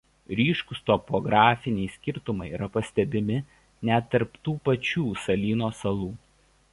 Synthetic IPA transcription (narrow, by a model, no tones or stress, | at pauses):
ɾʲiːʃkʊst̪ɔpɔɡɾɑːfʲɪnʲɛɪsʲkʲɪɾt̪ʊmɐɪiːɾɐpɐsʲt̪ʲɛbʲɪmʲɪ | nʲɛt̪ːɐɾpt̪uːpɐt͡ʃʲuːsɐlʲiːnoːsɐlˠuː